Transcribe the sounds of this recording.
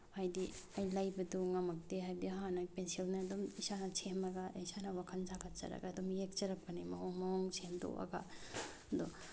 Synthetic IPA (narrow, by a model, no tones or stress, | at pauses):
hajdiɐjlajbɐduŋɐmɐk̚deɦajdiɐɦanɐpensilnɐːdumisanɐt͡ʃʰemɐɡɐisanɐwakʰɐnd͡ʒakɐt͡ʃɐ̰ɾɐ̰ɡaːdomjek̚t͡ʃɐɾɐpɐnimɐɦoŋmɐoŋt͡ʃʰemdo̰ʔɐ̰ɡa̰ | ɐd̪o